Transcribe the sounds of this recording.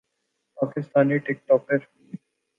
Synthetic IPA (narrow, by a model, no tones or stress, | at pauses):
paːkɪst̪aːniʈɪk̚ʈɔːkəɾ